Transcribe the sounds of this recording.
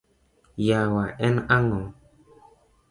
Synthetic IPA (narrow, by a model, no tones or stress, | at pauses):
jawaʔɛnaŋɔ